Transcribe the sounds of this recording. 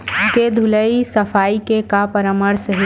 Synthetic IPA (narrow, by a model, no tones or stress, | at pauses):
ked̪ʱuləisɐfaːikekapəɾəməɾsəɦi